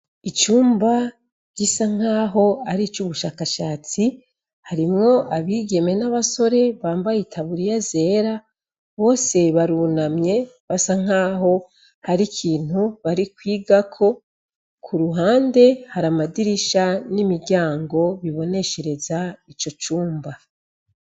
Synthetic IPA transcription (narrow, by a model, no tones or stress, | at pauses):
it͡ʃuːmba | ɟ̥isaŋ̥aːɦo̞aɾit͡ʃuβuʃaːkaʃaːt͡si | haɾimŋo̞ʔaβiːɡe̞me̞naβaso̞ɾe̞βaːmbajitʰaβuɾijaze̞ːɾa | βo̞ːse̞βaɾunamɲe̞ | βasaŋ̥aːɦo̞ | haɾikʰiːn̥huβaɾikwiːɡakʰo̞ | kʰuɾuɦaːnde̞haɾamadiɾiʃanimiɟaːŋɡo̞βiβo̞ne̞ʃe̞ɾe̞zait͡ʃo̞t͡ʃuːmba